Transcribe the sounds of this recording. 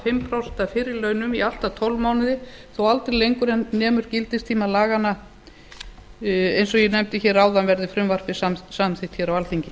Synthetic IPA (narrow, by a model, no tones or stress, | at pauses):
fɪmpʰɾawst̪afɪːɾɪlœːɥnʏmial̥t̪at̪ʰɔwlmaːwnɪðɪθowalt̪ɾɪɾlejŋkʏɾɛnnːɛːmʏɾ̥cɪlt̪ɪst̪ʰiːmalaːɣanːa | ejns̬ɔɣjɛnɛmt̪ɪçɛːɾaːwðanvɛɾðɪfɾʏmvar̥pɪsasamθɪht̪çɛːɾawalθiɲcɪ